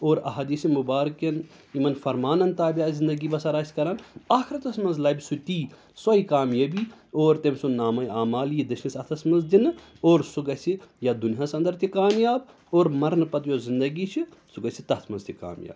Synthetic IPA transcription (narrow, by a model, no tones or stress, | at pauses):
oːɾɐ̰ɦaːd̪iːsimubaːɾkjɐn | imɐnfɐɾmaːnɐnt̪aːbʲjaːzind̪ɐɡibɐsɐɾaːsʲi̥kɐɾanaːkʰiɾt̪ɐsmɐnzlɐːbʲsut̪iː | sɐikaːmjɐbioːɾt̪emsunaːmɐjaːmaːljid̪ɐʃnisɐt̪ʰɐsmɐnzd̪inɨ | oːɾsuɡɐsijad̪uniɦasɐ̃nd̪ɐɾt̪ʰʲikaːmjaːb | oːɾmɐɾnɨpɐt̪jozind̪ɐɡit͡ʃʰisuɡɐsit̪ɐt̪ʰmɐnzt̪ʰika̰ːmja̰ːb